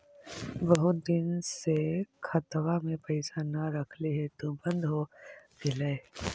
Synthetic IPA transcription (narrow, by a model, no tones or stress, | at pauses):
bɐɦʊt̪d̪ɪnsekʰɐt̪ʋamẽpɐɪsanaɾɐkʰliɦɛt̪obə̃nd̪ɦoɡɪleː